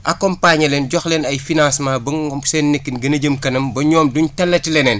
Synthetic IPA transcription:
ʔɐkɔmpaɲɐlenɟɔxlenɐjfinãːsmaːbɐsenːekːinɡɐnɐɟəmkɐnɐmbɐɲɔːmduɲtɐlːɐtilɛnɛn

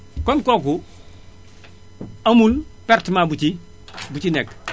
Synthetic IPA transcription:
kɔnkoku | amulpeɾtmabut͡ʃi | but͡ʃinek

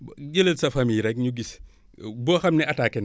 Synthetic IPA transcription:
ɟələlsɐfamijɾɛk̚ɲuɡis | bɔxɐmnɛʔɐtaːkɛn

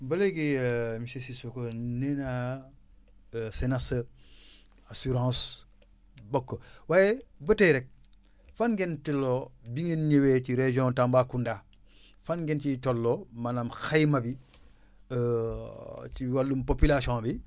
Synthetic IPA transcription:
bɐleɡimisesisokonena | senasə | asuɾãːs | bokːowajebəteɾɛk̚ | fanɡentelːobiŋenɲewet͡ʃiɾeʒõntambaːkunda | fanɡent͡ʃitolːomanamxajmabi | t͡ʃiwalːumpopilasiõːbi

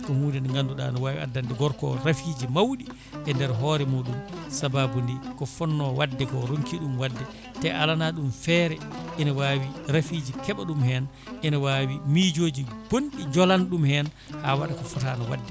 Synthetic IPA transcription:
kɔhuːdɛnŋɡanduɗa̰nɔwawḭa̰dːandɛɡɔɾkɔ̰ɾafid͡ʒimawɗi | ʔɛndɛɾɦɔːɾɛmuːɗumsababundikɔfɔnːɔwadːɛkɔɾoŋkiɗumwadːɛ | tɛʔalanaɗumfɛɾɛʔinawaːwiɾafiːd͡ʒikɛɓaɗumhɛn | ʔɛnawawimid͡ʒoːd͡ʒib̥onɗid͡ʒɔlanɗumhɛn | hawaɗakɔfutanɔwa̰dːɛ

